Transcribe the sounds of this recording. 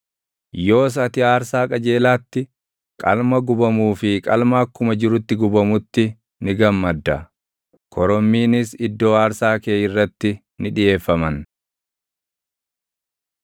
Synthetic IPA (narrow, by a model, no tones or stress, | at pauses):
jo̞ːs̬ɐt̪ɪaːɾsaːkʼɐd͡ʒe̞ːlaːt̪ːɪ | kʼɐ̰lmɐɡʊbɐmuːfɪkʼɐlmaːkːʊmɐd͡ʒɪɾʊt̪ːɪɡʊbɐmʊt̪ːɪ | nɪɡɐmːɐd̪ːɐ | kʰɔɾɔmːiːnɪs̬ɪd̪ːo̞ːaːɾsaːkeːjɪrːɐt̪ːɪ | nɪᶑɪʔe̞ːfːɐmɐn